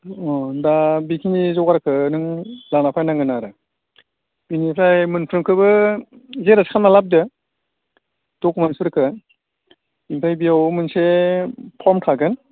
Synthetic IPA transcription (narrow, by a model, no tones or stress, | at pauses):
ɔdabikʰinizɔɡaɾakʰɯnɯŋlanapʰajnaŋɡɯnaɾɯ | binipʰajmɯnpʰɾɯmkʰɯbɯ | zeɾaskʰanmalap̚dɯ | d̥ɔkmansuɾɯkʰɯ | impʰajbijawmɯnsepʰɔmtʰaɡɯn